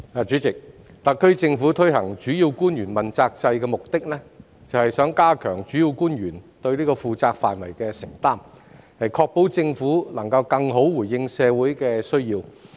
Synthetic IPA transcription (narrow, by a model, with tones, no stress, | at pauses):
aː˨t͡ʃy˨˥t͡sɪ˨k̚ | t̪ɐ˨kʰːɵ˥ɥt͡sɪ˧ŋfu˨˥t̪ʰɵ˥ɥhɐ˨˩ŋt͡ʃyː˨˥ji˧wkuː˥njyː˨˩nmɐ˨nt͡saː˧k̚t͡sɐ˧jkɛː˧mʊ˨k̚t̪ɪ˥k̚lɛ˥ | t͡sɐ˨whɐ˨jsœː˨˥ŋkaː˥kʰœː˨˩ŋt͡ʃyː˨˥ji˧wkuː˥njyː˨˩nt̪ɵ˧ɥliː˥kɔː˧fuː˨t͡saː˧k̚fa̰ː˨˩nwɐ˨˩jkɛː˧sɪ˨˩ŋt̪aː˥m | hɐ˨jkʰɔː˧k̚po˨˥wt͡sɪ˧ŋfuː˨˥lɐ˨˩ŋkɐ˧wkɐ˧ŋɦo˨˥wwuː˨˩jjɪ˧ŋsɛː˨˧wu˨˥jkɛ˧sɵ˥ɥjiː˧w